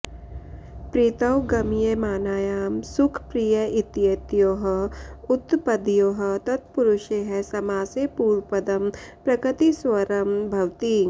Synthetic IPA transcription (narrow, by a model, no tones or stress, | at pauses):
pɾit̪ɐwɡɐmijemaːnaːjaːmsʊkʰpɾijɐʔɪt̪jeːt̪joːɦɔʊt̪pɐd̪joːɦɐt̪ɐt̪̚pʊɾʊʃeɦɛsɐmaːsepuːɾpɐd̪ɐmpɾɐkɪt̪iswɐɾɐmbʱɐwt̪iːŋ